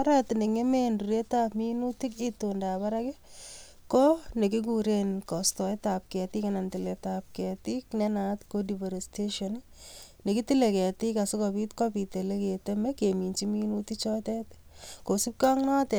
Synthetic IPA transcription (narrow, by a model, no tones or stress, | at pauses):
ɾɛt̪neŋemenduɾetapminutikitondapaɾake | kɔnekik̬uɾenkɔstɔetap̚kɛt̪ikanantiletap̚kɛtiknɛnat̪kodivaɾesteʃɔn | nekitilekɛtikasɪkɔbit̪kɔpiteleketemɛkemint͡ʃiminutit͡ʃɔtɛtkosip̚kaŋnatɛ